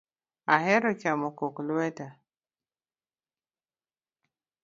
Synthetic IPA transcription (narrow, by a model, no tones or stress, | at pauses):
aɦeɾokamokokluwɛta